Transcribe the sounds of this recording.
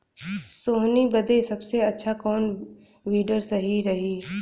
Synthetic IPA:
soːɦnibɐd̪ʱesɐbseɐtːʃʰakɔːn | ʋiːɖəɾsɐɦiɾɐɦiː

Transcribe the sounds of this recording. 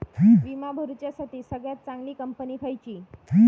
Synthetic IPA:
ʋimabʱəɾut͡ɕjasaʈiːsəɡɭjat̪̚t͡saŋɡliːkəmpəniːkʰajt͡ɕiː

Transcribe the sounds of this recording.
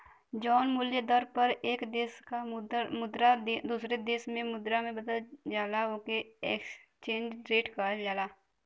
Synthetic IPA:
d͡ʒɔːnmʊljəd̪əɾpəɾeːkd̪eːskamʊd̪ɾad̪ed̪uːsɾed̪eːsmẽmʊd̪ɾamẽbəd̪əld͡ʒaːlaokeekst͡ʃẽːɲd͡ʒɾeːʈkad͡ʒaːlaː

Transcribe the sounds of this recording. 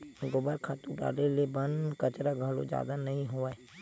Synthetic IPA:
ɡoːbaɾkʰaːt̪ũɖa̰ːlelebənkət͡ʃɾaɡʱɐlo̰d͡ʒja̰ːd̪anɐɦĩɦoae

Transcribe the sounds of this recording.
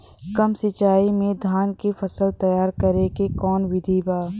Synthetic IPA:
kɐmsɪt͡ʃaːimẽd̪ʱaːnkifɐsəlt̪ɐjaːɾkɐɾekekɔːnwɪd̪ʱibaː

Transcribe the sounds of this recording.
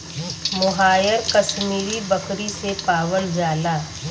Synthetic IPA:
mʊɦaːjəɾkɐʃmiːɾibɐkɾisepaːwəld͡ʒaːlaː

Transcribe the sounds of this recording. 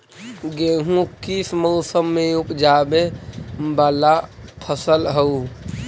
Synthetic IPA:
ɡeɦũkismɔʊsəmːẽupd͡ʒabebaːlapʰəsəlɦəu

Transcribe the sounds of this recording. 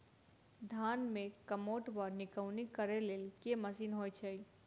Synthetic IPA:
d̪ʱaːnmẽkəmoːʈbəɾnɪkəwnikəɾeleːlkeməsiːnɦoːjt͡ʃʰəi

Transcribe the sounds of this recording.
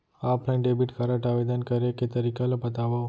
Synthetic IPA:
apʰlajɳɖebiʈkʰaɾaʈaʋed̪ənkəɾeket̪əɾikalopət̪aʋa

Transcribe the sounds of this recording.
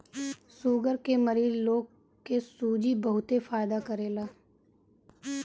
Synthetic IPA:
suːɡəɾkeməɾiːzloːɡ | kesuːd͡ʒibɐɦʊt̪efaːɪd̪akəɾeːlaː

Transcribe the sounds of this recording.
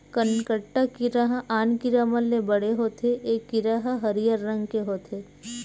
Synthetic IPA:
kənkəʈːakiɾaɦʔaːnkɪɾaːməlːẽbɐɽ̤eɦoːt̪ʰeʔeːkːɪɾaɦɦɐɾijəɾːɐ̃ŋɡkeɦoːt̪ʰeː

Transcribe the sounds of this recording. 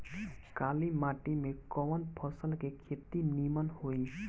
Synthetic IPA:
kalimaʈimekɔwɔnpʰɔsəlkekʰet̪inimanhoj

